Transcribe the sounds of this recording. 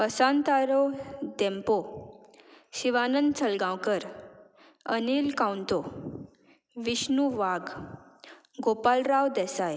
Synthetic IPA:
pəsãnt̪aɾod̪ɛ̃mpo | ɕiʋanənd̪t͡sʰəlɡãwkəɾ | ənilkãwnt̪o | ʋiɕnuʋaɡ | ɡopalɾawd̪ɛsaj

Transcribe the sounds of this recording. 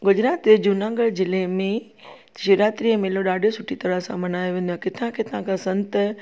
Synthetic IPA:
ɡʊd͡ʑɾaːt̪d͡ʑed͡ʑunãːŋɡəɭd͡ʑɪlemẽ | ʃiɾaːt̪ɾiəmeːloɗaːɖʱosʊʈʰit̪ɐɾəɦsãmɐnaːjoʋẽːnd̪õɦkɪt̪ʰãkʰeːt̪ɐɦãkʰãsɐ̃nt̪

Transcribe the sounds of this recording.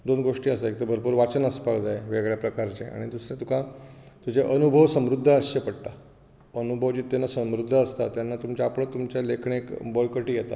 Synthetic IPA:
d̪onɡoʂʈiːəsaek̚t̪əɾbʱəɾpuɾʋat͡ɕənəspakd͡zaeʋeɡɭjapɾəkaɾt͡ɕḛa̰ɽ̃id̪usɾẽt̪ukʰat̪ud͡ʑeʔənubʱəʋsəmɾud̪ʱːəəɕɕepəɽt̪a | ənubʱəʋt͡ɕiːt̪ːenːasəmɾud̪ʱːəːst̪at̪janːat̪umt͡ɕaapɳət̪umt͡ɕalekʰɳekbəɭkəʈiːjet̪a̰

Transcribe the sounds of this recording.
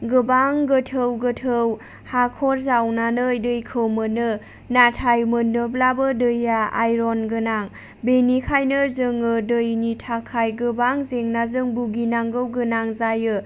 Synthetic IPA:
ɡɯbaŋɡɯtʰɯwɡɯtʰɯw | hakʰɔɾzawnanɯjdɯjkʰɯwmɯnɯ | natʰajmɯnɯblabɯdɯjːaa̰jɾonɡɯnaŋ | benikʰajnɯɾzɯŋɯdɯjnitʰakʰajɡɯbaŋzeŋnazɯŋbuɡinaŋɡɯwɡɯnaŋzajɯ

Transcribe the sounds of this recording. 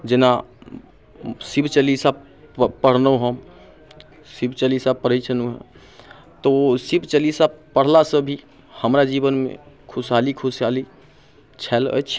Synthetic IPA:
d͡ʒɪna | sibt͡ʃəlisab | pəɽ̤nəɦəm | sɪbt͡ʃəlisapəɽet͡ʃʰənuɦɛ̰̃ | t̪osibt͡ʃəlisapəɽ̤lasəbʱi | həmɾad͡ʒibənmḛ̃kʰʊsalikʰʊsjali | t͡ʃʰɛlə̰t͡ʃʰ

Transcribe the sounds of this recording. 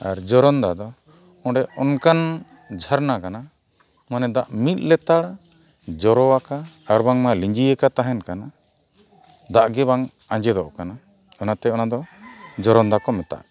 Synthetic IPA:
aɾd͡ʒɔɾɔnd̪ad̪ɔ | ɔ̃ɖɛʔɔnkan | d͡ʒʱaɾnakana | manɛd̪aʔmit̪̚ˀlɛt̪aɽ | d͡ʒɔɾɔwakaːɾbaŋmaliɲd͡ʒijəkat̪aɦɛnkana | d̪aʔɡɛβaŋ | aɲd͡ʒɛd̪ɔʔkana | ɔnat̪ɛɔnad̪ɔd͡ʒɔɾɔnd̪akɔmɛt̪a̰ʔ

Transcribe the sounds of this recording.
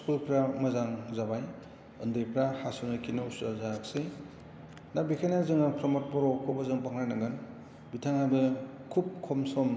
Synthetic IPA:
skulpʰɾamɐzaŋzabaj | ɯndɯjpʰɾahasunɯjkʰinɯusazaksɯj | nabikʰanazɯŋapʰɾɔmɔt̚pɔɾɔkʰɔbazɯŋpaŋɾajnaɡɯn | bitʰaŋabɯkʰup̚kʰɔmsɔm

